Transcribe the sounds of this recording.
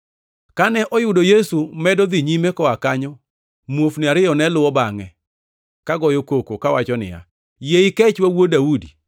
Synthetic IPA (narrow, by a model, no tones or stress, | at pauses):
kanɛʔɔjʊdojesumɛdɔd̪iɲimekɔakaɲɔ | mwofnɪaɾɪjɔnɛlʊwɔbaŋɛ | kaɡɔjokokokawat͡ʃɔnɪ̰ja̰ | jeikɛt͡ʃwawodaudi